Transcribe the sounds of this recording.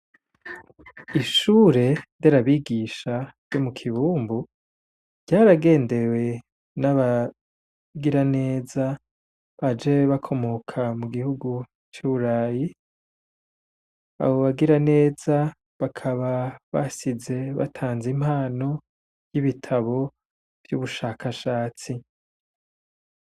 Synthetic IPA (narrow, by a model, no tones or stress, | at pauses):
iʃuːɾe̞deɾaβiɡiːʃaɾjo̞mukʰiβuːmbu | ɟaːɾaɡe̞ːnde̞we̞ | naβa | ɡiɾane̞ːza | βad͡ʒeβakʰo̞mo̞kʰamuɡihuɡu | t͡ʃuːβuɾaːji | a̰βo̞βaɡiɾane̞ːz̥a | βakʰaβaβasize̞βa̰tʰaːnzim̥haːno̞ | vjiβitʰaβo̞ | v̥jṵβuʃaːkaʃaːt͡si